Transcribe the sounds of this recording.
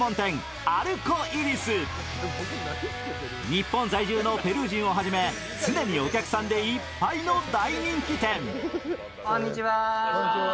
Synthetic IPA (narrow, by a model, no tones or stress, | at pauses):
õ̞nt̪ẽ̞ŋ | aɾɯ̟koʔiɾʲisɨ | ɲ̟ipːõnzaiʑɨːno̞pe̞ɾɯːʑĩɰ̃o̞ɦaʑime̞ | sɨne̞ɲ̟io̞kʲakɯ̟̥sãnd̪e̞ipːaino̞d̪aiɲĩŋkʲit̪ẽ̞ŋ | kõɲːit͡ɕiβa